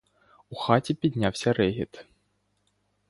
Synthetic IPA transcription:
uxatʲipʲid̪ʲnʲawsʲɐɾɛɦʲḭt̪

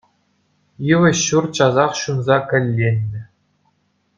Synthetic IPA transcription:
jɯʋɘ̆ɕːurt͡ɕɑzɑχɕunzɑkʲɘ̆lʲːenʲːɘ̆

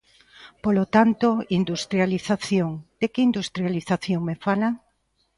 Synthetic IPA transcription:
polot̪ant̪oind̪ust̪ɾjaliθaθjoŋd̪̥ekɪind̪ust̪ɾjaliθaθjoŋmefala

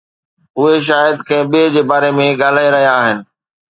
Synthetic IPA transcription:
ʊɦeʃ̬aːjəd̪kɐ̃ɪ̃ɓid͡ʑeːbaːɾemẽɠaːl̤aːeɾɐɦijaːɦɪnɪ̆

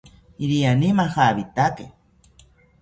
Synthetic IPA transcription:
iɾianimaxaːβit̪ake

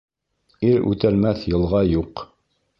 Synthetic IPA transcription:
iɾʉ̰t̪ælmæθjɤ̆lˠʁɑjuq

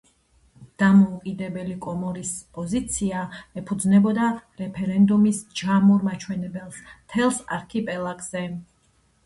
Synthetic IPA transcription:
d̪̥amɔukʼid̪ɛbɛlikʼɔmɔɾispʼɔzit̪sʰiaɛpʰud̪znɛbɔd̪aɾɛpʰɛɾɛnd̪umisd͡ʒamuɾmat͡ʃʰwɛnɛbɛlˠst̪ʰɛlˠsa̰ɾkʰipʼɛlˠakʰʼz̥ɛ

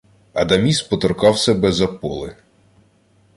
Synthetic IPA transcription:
ɐd̪ɐmʲispɔt̪ɔrkɑwsʲɛbɛzɐpɔlˠɪ

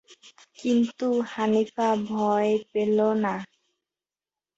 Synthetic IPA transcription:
kint̪uhanifabʱɔepelona

